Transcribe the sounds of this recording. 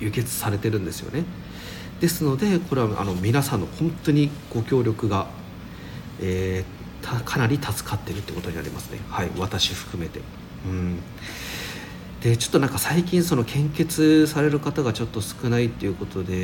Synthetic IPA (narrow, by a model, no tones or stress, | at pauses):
jɯ̟ke̞t͡sɨ̥saɾe̞t̪e̞ɾɯ̟̃nd̪e̞sɨjo̞̰ne̞ | d̪̥e̞sɨno̞d̪e̞ko̞ɾe̞βaa̰no̞mʲinasãnːo̞hõ̞nt̪o̞ɲ̟iɡ̥o̞kʲo̞ːɾʲo̞kɯ̟ɡa | eː | t̪ʰakʰanaɾʲit̪ʰat͡sɨ̥kat̪ːe̞ɾɯt̪ːeiɯkot̪o̞ɲinaɾʲimasɨ̥ne̞̰haiβat̪aɕiɸɯ̟̥kɯ̟me̞t̪e̞̰ | ɯ̟̃ɴ | d̪̥e̞t͡ɕo̞̥t̪ːo̞nãŋkasaikʲĩɰ̃so̞no̞kʰẽ̞ŋke̞t͡sɨsaɾe̞ɾɯ̟kat̪aɡat͡ɕo̞t̪ːo̞sɨ̥kɯ̟nait̪ːe̞iɯ̟ko̞t̪o̞d̪e̞